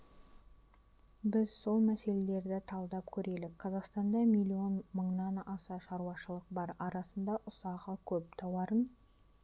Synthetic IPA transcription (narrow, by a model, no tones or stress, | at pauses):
bɪzso̞lˠmæse̞le̞le̞ɾd̪ɪt̪ʰɑlˠd̪ɑp̚kʲʰɵɾe̞lɪkqʰɑzɑqst̪ɑnd̪ɑmijlʲːijo̞nməɴnɑnɑsɑʃɑɾuwɑʃəlˠəq̚bɑɾɑɾɑsənd̪ɑʔʊsɑʁɑkʲʰɵp̚t̪ʰɑwɑɾən